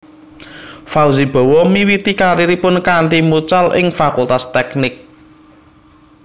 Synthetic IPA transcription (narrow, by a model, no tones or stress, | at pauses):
fawzib̥ɔ̤wɔmiwit̪ikaɾiɾipʊnkant̪imut͡ʃalɪ̰ŋfakult̪ast̪ɛknɪk̚